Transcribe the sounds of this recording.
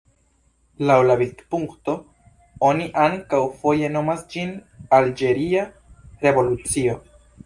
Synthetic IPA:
lawlavitpuŋkto̞ | oniʔaŋkawfo̞je̞no̞masd͡ʒinald͡ʒe̞ɾia | ɾe̞vo̞lut͡sio̞

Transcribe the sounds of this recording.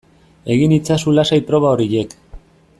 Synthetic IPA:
e̞ɣinit͡sasulasajpɾo̞βaoɾiʎe̞k

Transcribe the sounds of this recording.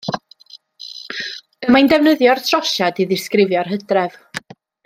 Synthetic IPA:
əmajndɛvnəðjɔrtʰrɔʃadiðɪskrɪvjɔrɦədrɛv̥

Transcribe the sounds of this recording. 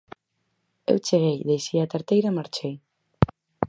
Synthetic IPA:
ḛwt͡ʃeɣ̞ejðejsiat̪aɾt̪ejɾamaɾt͡ʃej

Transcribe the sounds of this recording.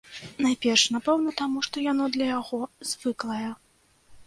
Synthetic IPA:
najpʲɛrʂnapɛwnɐt̪amuʂt̪ɔjan̪ɔd̪lʲɐjaɣɔz̥ʲvɨklˠɐjɛ

